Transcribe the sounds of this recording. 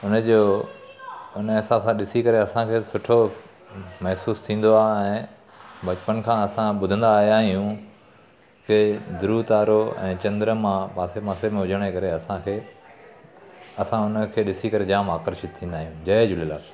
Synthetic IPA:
ʊnəd͡ʑoː | ʊnəɪsãsãɗɪsikɐɾeɐsãkʰeːsʊʈʰo | mɛɦsuːst̪ʰĩːn̆d̪oaːɛ̃ː | bɐt͡ɕpənkʰãːɐsãɓʊd̪ʱə̃nd̪aːɦjaːɦijũ | kɪd̪ʊɾut̪aːɾoɛ̰̃ːt͡ɕɐ̃nd̪ɾəmãpaːsemãːsemẽɦʊd͡ʑəɽ̃ekɐɾeɐsãkʰeː | ɐsãʊnə̆kʰeːɗɪsikɐɾed͡ʑãːmaːkəɾʃɪt̪t̪ʰːĩːnd̪aːɦijũd͡ʑɐd͡ʑʊlɪlaːs

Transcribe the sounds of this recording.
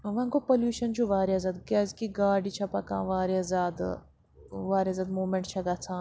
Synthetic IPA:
ʋɐ̃ŋkopoljuːʃɐnt͡ʃʰuʋaːɾiaːzaːd̪ɡɛːzkiɡaːɖit͡ʃʰɐpɐkã̰ːʋaːɾiazaːd̪ | ʋaːɾiaːzaːd̪moːmẽɳʈt͡ʃʰɐɡat͡sʰãː

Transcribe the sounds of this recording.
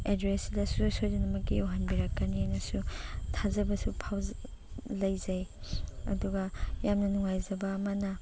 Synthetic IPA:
edɾesdɐsusojzenɐmɐkːiawɦanbiɾakːaniajnɐsutʰazɐbɐsupʰaw | lɐjzɐjɐ̰duɡɐjamnɐnuŋajzɐbɐːmɐnɐ

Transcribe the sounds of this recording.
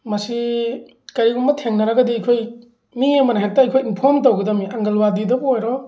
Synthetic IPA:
mɐsi | kɐɾiumbɐtʰeŋnɐɾɐɡɐdiajkʰoj | miɐmɐnaɦek̚taajkʰojinpʰɔɾmtowɡɐdamiaŋɡɐlwadidɐbojɾɔ

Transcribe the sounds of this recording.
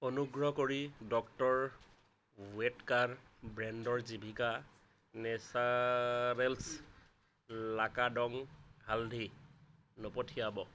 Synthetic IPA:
onuɡɹɔkoɹidɔktɔɹ | wetkaɹbɹɛndɔɹzibʱika | nɛsaɹels | lakadɔŋɦaldʱi | nopɔtʰijabɔ

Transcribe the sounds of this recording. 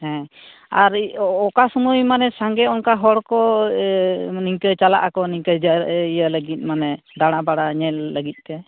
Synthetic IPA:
hɛ̃ | aɾɔkasumujmanɛsaŋɡɛɔnkaɦɔɽkɔ | niŋkət͡ʃala̰ʔakɔniŋkəd͡ʒəɾijələɡit̪̚ˀmanɛ | d̪aɽ̃abaɽaɲɛlləɡit̪̚t̪ɛ

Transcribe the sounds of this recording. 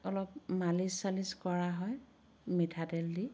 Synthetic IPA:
ɔlɔp̚malisaliskɔɹaɦɔj | mitʰadeldi

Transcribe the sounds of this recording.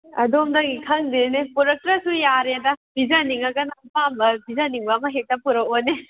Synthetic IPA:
ɐ̰domdɐŋɡikʰɐŋdeɾnepuɾɐk̚tɾɐsujaɾedɐbizɐniŋɐɡɐnapambɐbizɐniŋbɐːmɐɦek̚tɐpuɾɐkone

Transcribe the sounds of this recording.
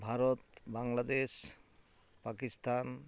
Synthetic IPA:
bʱaɾɔt̪baŋlad̪es | pakist̪an

